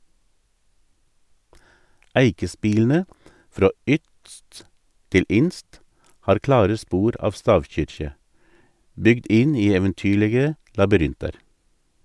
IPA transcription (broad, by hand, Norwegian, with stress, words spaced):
ˈæɪkəˌspiːln̩ə ˈfɾoː ˈʏtst ˈtɪl ˈɪnst ˈhɑːɾ ˈklɑːɾə ˈspuːɾ ˈɑʋ ˈstɑːʋˌçʏɾçə ˈbʏɡd ˈɪn ˈiː ɛʋənˈtyːɭəɡə lɑbʏˈɾɪntɑɾ